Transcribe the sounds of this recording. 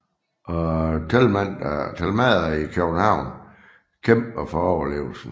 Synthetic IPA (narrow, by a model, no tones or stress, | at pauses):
ʔɒt͡sʰelmæn̰d̥t͡sʰælmɛðˠɐikʰøɡ̥n̩hɑ̈ʊ̰n | kʰemb̥ɐfɒɒʊɐle̝̰ːʊl̩sn̩